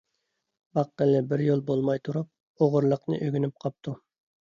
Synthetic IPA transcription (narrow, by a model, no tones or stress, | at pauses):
bɑqːəlːɪbɪɾjolˠbolˠmɑjt̪ʰuɾup̚ | oʁʊɾlˠəqnɨ̰ʔøɡʲynyp̚qʰɑp̚t̪ʰu